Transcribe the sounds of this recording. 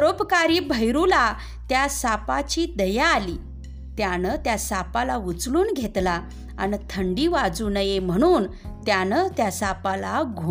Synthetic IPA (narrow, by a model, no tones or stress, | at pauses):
əɾopkaɾiːbʱəjɾula | t̪jasapat͡ɕiːd̪əjaːliː | t̪janət̪jasapalaʋut͡sluːnɡʱet̪la | anit̪ʰəɳɖiːʋad͡zunəjem̤əɽ̃uːn | t̪janət̪jasapalaɡʱu